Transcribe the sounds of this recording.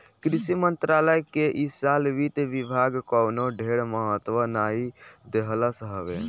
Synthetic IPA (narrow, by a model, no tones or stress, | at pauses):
kɾisimənt̪ɾaləjkeʔisalʋit̪eʋibʱaɡkəwnoɖʱeɽməɦət̪ːʋənaid̪eɦələsəɦəbe